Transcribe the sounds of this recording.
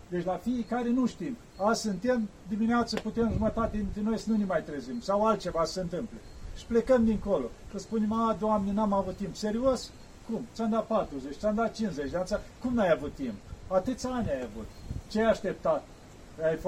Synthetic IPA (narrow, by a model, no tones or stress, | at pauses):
d̪et͡ʃʲlafijekaɾe̞nuʃt̪im | asɨnt̪e̞md̪imineat̪səput̪emʒumət̪at̪ed̪int̪ɾeno̞jsənunemajt̪ɾezimsawalt̪t͡ʃe̞vasə̥seɨnt̪ɨmpleʃi̥ple̞kəmd̪iŋko̞lo̞səspunemad̪oamnenamavut̪ːimpse̞ɾios | kumt͡ʃamd̪apat̪ɾuzet͡ʃʲt͡ʃamd̪at̪̚t͡ʃinszet͡ʃʲd̪eansakumnajavut̪ːimpat̪ɨt̪sʲanʲajavut̪t͡ʃeajaʃt̪e̞p̚t̪at̪ | ajf